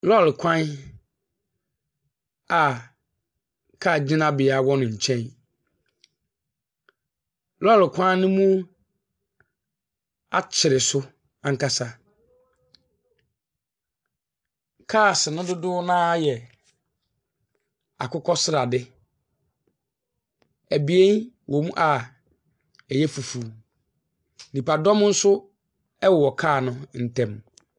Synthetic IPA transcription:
lɔ˦˨lkʰã˦n | a˨ | kʰa˦˨d͡ʑɪ̃˦nã˦bɪ˨a˨wɔ˦nʊ̃˨ɲ̩˨t͡ɕʰɛ̃˦n | lɔ˦˨lɪ˨kʷʰã˦n˦nʊ̃˦mũ˦ | a˦t͡ɕʰɪ˨ɾɪ˨sʊ˦ | ã˨ŋ̩˦ka˦sa˦ | kʰaː˦˨sɪ˨nʊ̃˦dʊ˦dʊ˦nãː˦jɛ˨ | a̰˨kʊ˦kʰɔ˦sɪ˦ɾa˨dɪ˦ | æ˨bi˨e˦nwʔɔ˨mũ˦ʔa˨ | ɛ˨jɛ˦fu˨fu˨ | nĩ˨pa˨dɔ̃˦m˦n̩˦sʊ˦ | ɛ˦wɔ˨ɔ˨kʰaː˦˨nʊ̃˦n̩˨tʰɛ̃˨m

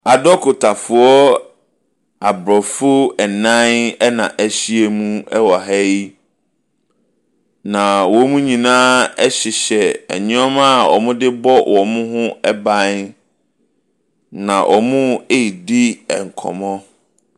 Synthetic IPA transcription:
a˨dɔ˦kʰʊ˨tʰa˨fʊ˨ɔ˦ | a˨bɾɔ˨fʊ˦ɛ˨nã˦nɛ˦nã˨ʔæ˨ɕi˦e˦mũ˦ɛ˦wɔ˨ɦɛ˦ji˦ | nã˨wɔ˨˦mũ˦ɲĩ˨nãː˦ɛ˦ɕɪ˨ɕɛ˨ɛ̰˨ɲʊ̃˦ɔ˦ma˦˨ɔ̰˨mʊ̃˦dɪ˦bɔ˦wʔɔ˨mʊ̃˦ɦʊ̃˦ɛ˦bã˦n | nã˨ʔɔ˨mʊ̃˦e˦i˨di˦ɛ̰˨ŋ̩˨kʰɔ̰̃˨mɔ̃˦

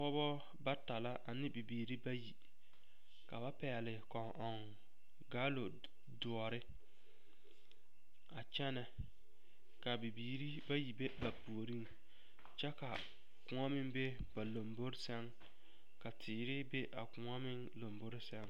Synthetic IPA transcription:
pɔ˦bɔ˦ | ba˦ta˨la˦ʔa˨nɪ˦bi˨biː˨ɾi˦ba˦ji˨ | ka˨ba˦pɛ˨lɪ˨kɔ˨ŋʔɔ˨ŋ | ɡa˦lo˨ | dʊ˨ɔ˨ɾɪ˦ | a˨t͡ʃɛ˦nɛ˨ | ka˨bi˨biː˨ɾi˦ba˦ji˨be˦ba˨pu˨o˨ɾi˦ŋ | t͡ʃɛ˦ka˨ | kʊ˨ŋa˦mɪ˦ŋbe˦ | ba˨lo˨mbo˦ɾsɛ˦ŋ | ka˨tʰɪː˨ɾɪ˦be˦ʔa˨kʊ˨ŋa˦mɪ˦ŋlo˨mbo˦ɾɪ˦sɛ˦ŋ

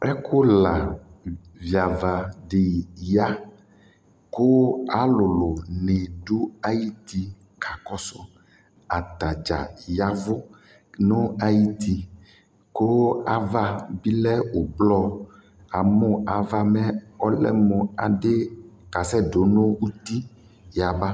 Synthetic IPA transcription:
ɛ˦ko˦la˨ | vi˨a˨va˨ɖe˨ja˦ | ko˦a˨˦lo˨lo˨ne˨ɖu˦a˦ji˦t̪i˦ | kʰa˨kɔ˦sɔ˦ | a˨t̪a˨d͡ʒa̰˨ja˦vo˦ | no˦a˨ji˦t̪i˨ | ko˦a˨va˦bi˦lɛ˦wo˨blɔ˦ | a˨mɔ˦a˨va˦mɛ˦ɔ˦lɛ̰˦mɔ̃˨a˨ɖe˦ka˨sɛ˦ɖo˨no˦wu˦t̪i˦ | ja˨ba˦

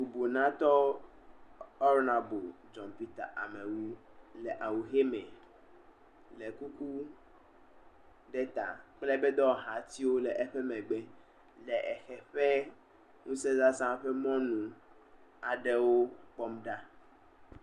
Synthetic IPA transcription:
bu˨bo˨nã˦t̪ɔ˦ | ɔ˦ɾnã˨bo˨ | d͡ʒɔ̃˨npi˦t̪a̰˨ʔa˨mɛ̃˨wu˦ | lɛ˨ʔa˨wu˨xe˦mɛ̃˨ | lɛ˨ku˦ku˦ | ɖɛ˦t̪a̰˨k͡plɛ˦bɛ˦d̪ɔ˦ɦa˨˦t̪i˦wo˦lɛ˨ʔɛ˦ɸɛ˦mɛ̃˨ɡ͡bɛ˦ | lɛ˨ʔɛ˨xɛ˨ɸɛ˦ | ŋũ˦sɛ˦za˦sã˦ɸɛ˦mɔ̃˦nũ˨ | a˨ɖɛ˦wo˦k͡pɔ˦mɖa˦

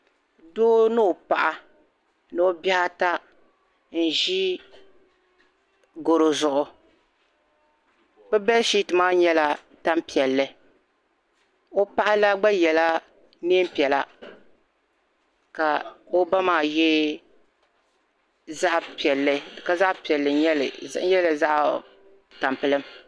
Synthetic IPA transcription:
doː˦nɨ˦o˨pa˨ʔa˨ | nɨ˦o˦ba˦a˦ta˦ | n̩˨ʒi˦ | ɡo˨ɾo˨zʊ˨ʔʊ˨ | bɛ˦bɛ˦lʃi˦tɨ˨maː˦ɲɛ˦la˦ | ta˦mpi˨ɛ˨lːɨ˨ | o˦pa˦ʔa˦la˦ɡ͡ba˦jɛ˨la˦ | neː˦m˦pi˨ɛ˨la˦ | ka˨o˦ba˦maː˨jɛ˦ | za˦ʔpi˨ɛ˨lːɨ˦˨ka˦za˦ʔpi˨ɛ˨lːɨ˨ɲɛ˦lɨ̰˨˦ɛ˦lɨ˨za˦ʔ | ta˨mpɨ˦lɨ˦m

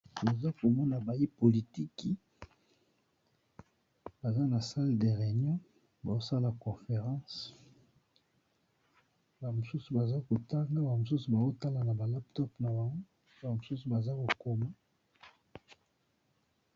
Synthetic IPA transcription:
to˨za˦ko˨mɔ˦na˨ba˨i˦po˨li˨ti˦ki˦ | ba˨za˦na˨sa˦lde˨ʁe˨njɔ̃˦ | ba˨o˦sa˦la˨kɔ̃˨fe˨ʁɑ̃˦s | ba˨mo˨su˦su˨ba˨za˦ko˨ta˦ŋɡa˦ba˨mo˨su˦su˨ba˨o˦ta˦la˨na˨ba˨la˦ptɔ˦pna˨wa˨ŋɡo˦ | ba˨mo˨su˦su˨ba˨za˦ko˨ko˨ma˦

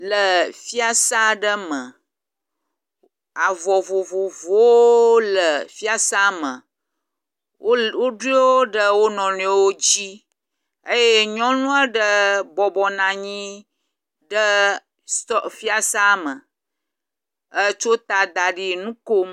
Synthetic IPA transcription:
lə˨fi˦a˦sa˦ɖə˦mə˨ | a˨vɔ˨vo˨vo˨vo˦lə˨fi˦a˦sa˦mə̃˨˦ | wo˦ɖu˦i˦wo˦ɖə˦wo˦nɔ̃˨nũ˦e˦wo˦d͡ʑi˦ | ə˦je˦ɲɔ̃˦nũ˦ə˦ɖə˦bɔ˨bɔ˨nã˨ɲĩ˦ | ɖə˦ | st̪ɔ˦˨fi˦a˦sa˦mə˨ | ə˦t͡ʃo˦t̪a˨d̪a˨ɖi˦˨nũ˦ko˦m

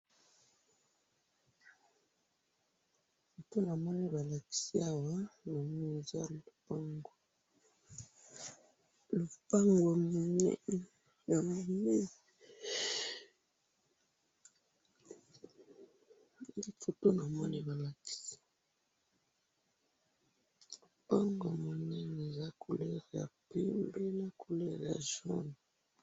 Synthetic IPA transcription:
fo˨to˦na˨mɔ˦ni˦ba˨la˨ki̥˨si˦a˦wa˦na˨m˦i˦e˨za˦lo˨pa˦ŋɡo˨ | lo˨pa˦ŋɡa˨m˨ne˦ | ja˨m˨ne˦ | i˦fo˨to˦na˨mɔ˦ni˨ba˨la˨ki̥˦sḁ˦ | lu˨pa˦ŋɡwa˨mo˨nɛ˦n˨e˨za˦kʰu˨lɛ˦ʁe˨ja̰˨pe˦mbe˦la˦ku˨le˦ʁa̰˨ʒo̰˦nu˨

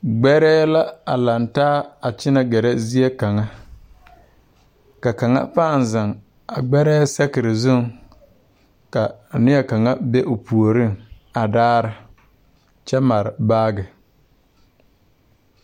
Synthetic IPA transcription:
ɡ͡bɛ˦ɾɛː˦la˦a˨la˨ntaː˦a˨t͡ʃɪ˦na˨ɡɛ˨ɾɛ˦zi˦e˦ka˨ŋa˦ | ka˨ka˨ŋa̰˦pa˦˨n˨za˨ŋ | a˨ɡ͡bɛ˦ɾɛː˦sɛ˦kɪ˨ɾɪ˨zʊ˦˨ŋ | ka˨nɪ˦jɛ˨ka˨ŋa˦be˦ʔo˨pu˨o˨ɾi˦˨ŋ | a˨daː˦ɾɪ˨ | t͡ʃɛ˦ma˨ɾɪ˨baː˦ɡɪ˨

